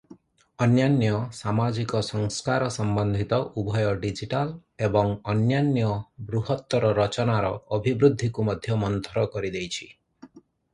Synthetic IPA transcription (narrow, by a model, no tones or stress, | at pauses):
ɔnjanjɔsamad͡ʒikɔsɔŋskaɾɔsɔmbɔnd̪ʱit̪ɔʔubʱɔjɔɖid͡ʒiʈalebɔŋɔnjanjɔbɾuɦɔt̪ːɔɾɔɾɔt͡ʃɔnaɾɔːbʱibɾud̪ʱːikumɔd̪ʱjɔmɔnt̪ʰɔɾɔkɔɾid̪ejt͡ʃʰi̥